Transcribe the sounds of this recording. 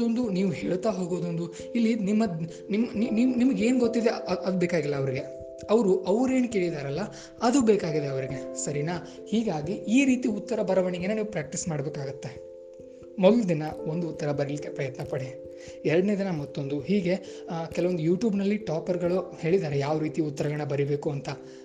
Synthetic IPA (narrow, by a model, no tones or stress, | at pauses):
ond̪uniːʋuɦeːɭt̪aːɦo̞ːɡoːd̪ond̪u | ilːinimːɐd̪ | nimnininimɐɡe̞ːnɡot̪ːid̪eɐd̪ubeːkaːɡilːɐːʋɐɾiɡe̞ | ɐʋɐɾuʔɐʋɾe̞ːnkeːɭid̪aːɾɐlːɐ | ɐd̪ubeːkaːɡid̪eɐʋɐɾiɡe̞sɐɾina | hiːɡaːɡiʔiːɾiːt̪iut̪ːɐɾɐbɐɾɐʋɐɳiɡeneniːʋupɾaːk̚ʈismaːɽɐbeːkaːɡut̪ːe̞ | moɡ̪lud̪inɐond̪uut̪ːɐɾɐbɐɾelikːepɾɐjɐt̪nɐpɐɽi | ɛɾɐɖneːd̪inɐmɐt̪ːo̞nd̪uɦiːɡe̞ | kɛlɐʋod̪ujuːʈjuːbnɐlːiʈaːpɐɾɡɐɭuhe̞ːɭid̪aːɾejaːʋɾiːt̪iut̪ːɐɾɐɡɐɳːɐbɐɾibe̞ːkuɐnt̪ɐ